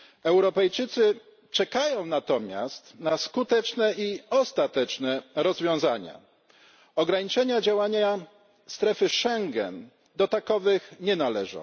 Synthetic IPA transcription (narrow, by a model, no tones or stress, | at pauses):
ɛwɾɔpɛjt͡ʂɘt̪sɘ | t͡ʂɛkajɔ̃w̃nat̪ɔmʲja̰st̪naskut̪ɛt͡ʂnɛiɔst̪at̪ɛt͡ʂnɛɾɔzvʲjɔ̃w̃zaɲa̰ | ɔɡɾaɲit͡ʂɛɲad͡ʑawaɲa | st̪ɾɛfɘʂɛŋɡɛ̰n | d̪ɔt̪akɔvɘxɲɛnalɛʐɔ̰̃w̃